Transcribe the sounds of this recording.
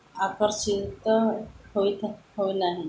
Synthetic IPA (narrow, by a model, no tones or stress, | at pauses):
akəɾsit̪hoit̪hoinaɦi